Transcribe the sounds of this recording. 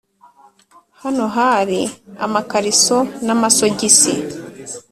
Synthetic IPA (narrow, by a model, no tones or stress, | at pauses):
hanoɦaɾia̰makaɾisonamasoɟisḭ